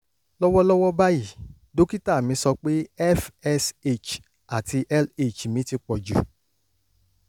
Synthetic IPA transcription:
lɔ˦wɔ˦lɔ˦wɔ˦ba˦ji˦˨ | do˦ki˦ta˦˨mĩ˨˧˦sɔ˧k͡pe˦ɛ˦fɛ˦se˦t͡ʃ | a˨ti˧ʔɛ˦le˨t͡ʃmĩ˨˦ti˧k͡pɔ˨d͡ʒṵ˨

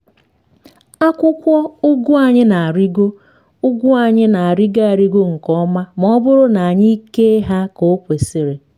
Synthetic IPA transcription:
a˦kʷʊ˦kʷɔ˦ʊ˦ɡʊ˦a˨ɲɪ˦na˨a˨ɾi˦ɡo˦ | ʊ˦ɡʷʊ˦a˨ɲɪ˦na˨a˨ɾɪ˦ɡa˦a˨ɾi˦ɡo˦ŋ̩˨kɔ˦ma˦m˨ɔ˦bʊ˦ɾʊ˦na˨a˨ɲɪ˦i˦ke˦ɦa˦ko˨˦kʷe˨si˦ɾe˨

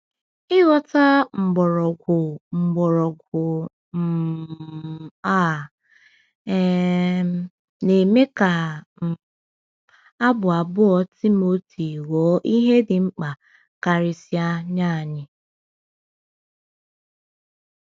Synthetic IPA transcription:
ɪ˦ɣɔ˦ta˦ŋ͡m̩˨ɡ͡bɔ˨ɾɔ˨ɡʷʊ˨ŋ͡m̩˨ɡ͡bɔ˨ɾɔ˨ɡʷʊ˨ | m̩˨ | a˦˨˦ | ne˨me˦ka˨ | a˦bʊ˨a˨bʊ˦ɔ˦ti˦mo˦ti˨wɔː˨˦ʔi˦ɦe˦dɪ˨ŋ͡m̩˦k͡pa˨ | ka˨ɾɪ˨sja˦ɲa˦˨ɲɪ˨

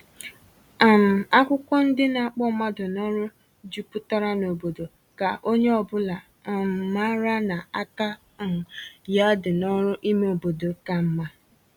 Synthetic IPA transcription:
a˨m̩˨a˦kʷʊ˦kʷɔ˦n̩˦dɪ˦na˨a˨k͡pɔ˦ma˦dʊ˨nɔ˦ɾʊ˦ | d͡ʒu˦pu˦ta˦ɾa˦no˨bo˨do˨ | ka˨ʔo˦ɲe˦ɔ˨bʊ˦la˨ | ma˦ɾa˦na˨a˦ka˦˨ | ja˦dʊ˨nɔ˦ɾʊ˦ʔi˦me˦o˨bo˨do˨ka˨m̩˦ma˦

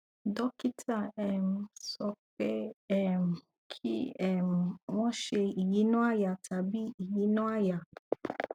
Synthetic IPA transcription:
dɔ˦ki˦tʰa˦˨ɛ˨m˨sɔ˧ke˦ɛ˦˨m˨ | kʰḭ˦ɛ˨m˨wɔ̃˦ʃe˧i˨ji˦nɔ̃˦a˦ja˨tʰa˨bi˦i˨ji˦nɔ̃˦a˦ja˨

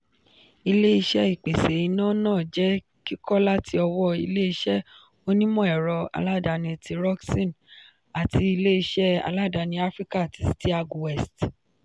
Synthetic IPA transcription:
i˧le˦i˧ʃɛ˦i˨k͡pe˨se˨i˨˧nã˦nãː˦˨d͡ʒɛ˦ | ki˦kɔ˦la˦tʰi˧ɔ˧wɔ˦i˧le˦i˧ʃɛ˦ | o˦nĩ˦mɔ̃˦ɛ˨ɾɔ˧a̰˨˧la˦˨da˨˧nĩ˧˨ti˧ɾɔ˦ksĩ˦˨n | a˨ti˧i˧le˦i˧ʃɛ˦a̰˧la˦˨da˧nĩ˧a˦fɾi˦ka˦˨ti˨˦si˦ti˦a˧ɡu˨wɛ˦˨st

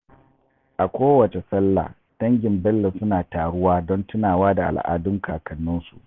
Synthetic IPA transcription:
ʔa˨kʷoː˦wɐ˨t͡ʃe˨sɐ˦lːa̰ː˨ | d̥ɐ˦ŋɡʲɪ˨mbɛ˦lːɪ˨ssʊ˦naː˨taː˨ɽʊ˦waː˦dɔ˦ntʊ˦naː˨waː˦da˨ʔa̰˨lʔa̰ː˨dʊ˦ŋkaː˨kɐ˨nːʊ˦nsu˨ʔ

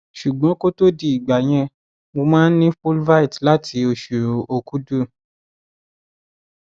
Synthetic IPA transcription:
ʃu˨ɡ͡bɔ̃˨˦ko˦to˦di˦i˨ɡ͡ba˨j̃ɛ̃˧ | mo˧mãː˦n̩˦nĩ˦fu˦lva˦i˨tla˦tʰi˧˦o˧ʃu˨ɾo˨o˧ku˨˦du˦˨

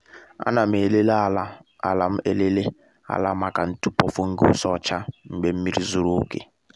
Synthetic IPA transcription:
a̰˦na˨me˨le˦la˦˨l | a̰˨la˨m̩˦ʔe˦le˦le˦ | a̰˨la˦ma˦ka˨n̩˦tu˦pɔ˨fo˦ŋ̩˦ɡo˦sɔ˦˨t͡ʃa˦m̩˨ɡ͡be˦m̩˦mi˦ɾi˦zo˦ɾo˦kḛ˨

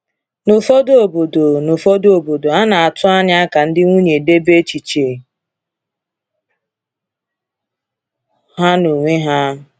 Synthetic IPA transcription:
nʊ˨fo˦do˦o˨bo˨do˨nʊ˨fo˦do˦o˨bo˨do˨a˦na˨a˨tʊ˦a˦ɲa˦a˦ka˨n̩˦dɪ˦ŋʷu˦ɲe˨de˦be˦t͡ʃi˨t͡ʃe˨ | ɦa˦no˨ŋʷe˦ɦa˦

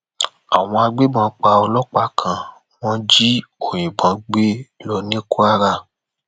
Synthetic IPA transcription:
a̰˨w̃ɔ̃˧a˧ɡ͡be˦mɔ̃˨˦k͡pa˧ɔ˧lɔ˦k͡pa˦kʰã˧ | w̃ɔ̃˦d͡ʒi˦o˨j̃ĩ˨bã˨˦ɡ͡be˦lɔ˧nĩ˦ko˦a˦ɾa˦˨

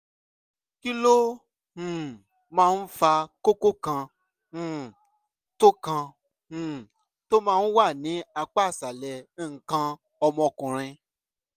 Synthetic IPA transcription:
ki˦lõ˦˨ | mãː˦˧n̩˦fa˧ko˦ko˦kã˧˨ | to˦kã˧˨ | to˦mãː˦˧n̩˦wa˦˨nĩ˨˦a˧k͡pa˦˨sa˨lɛ˨˦˨kã˧ | ɔ˧mɔ̃˧kũ˨ɾ̃ĩ˧

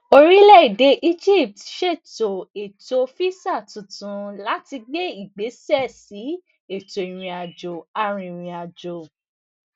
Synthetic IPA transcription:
o˧ɾi˦lɛ˦˨i˨de˨˦ʔi˦d͡ʒi˦˨p̚tʃe˦˨to˨e˨to˨˧o˧fi˦sa˦˨tũ˨tũ˨˧la˨˦ti˧ɡ͡be˦i˦˨ɡ͡be˨˦sɛ˦˨si˨˦ | e˦˨to˨i˨ɾ̃ĩ˨a˨d͡ʒo˨a˧ɾ̃ĩ˧i˨ɾ̃ĩ˨a˨d͡ʒo˨

